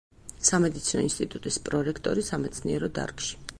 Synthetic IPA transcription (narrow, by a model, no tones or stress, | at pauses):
samɛd̪it̪sʰinɔ̰inst̪ʼit̪ʼut̪ʼispʼɾɔɾɛkʰt̪ʼɔ̰ɾisamɛt̪sʰniɛɾɔd̪a̰ɾkʼʃi̥